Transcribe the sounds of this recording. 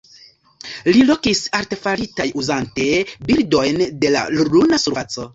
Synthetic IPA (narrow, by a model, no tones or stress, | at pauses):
lilo̞kisaɾte̞faɾitajuzante̞biɾdo̞jnde̞la̰lulunasuɾfat͡so̞